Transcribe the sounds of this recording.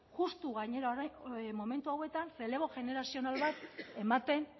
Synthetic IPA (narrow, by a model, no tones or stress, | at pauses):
ʝust̪uɣaɲe̞ɾaɾmo̞me̞nt̪uawe̞t̪anse̞le̞β̞o̞ʝe̞ne̞ɾasio̞nalβat̪e̞mat̪e̞n